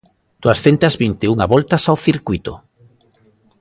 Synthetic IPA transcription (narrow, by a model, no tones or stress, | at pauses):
t̪uasθent̪azβint̪euŋaβɔlt̪asawθiɾkuit̪o̰